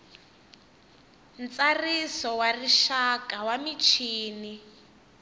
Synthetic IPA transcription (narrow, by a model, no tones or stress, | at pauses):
nt͡sarisɔwariʃakawamit͡ʃʰiːni